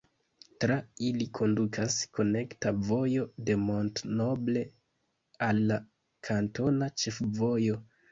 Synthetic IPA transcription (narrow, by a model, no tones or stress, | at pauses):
tɾailikʰo̞ndukʰasko̞ne̞ktavo̞jo̞de̞mo̞ntno̞ble̞ | alːa | kʰanto̞nat͡ʃe̞fvo̞jo̞